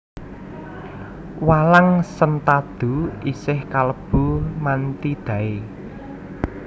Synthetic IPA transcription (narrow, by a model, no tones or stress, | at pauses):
walaŋsənt̪ad̪̥ṳisɪhkaləb̥umant̪id̪̥ä̤e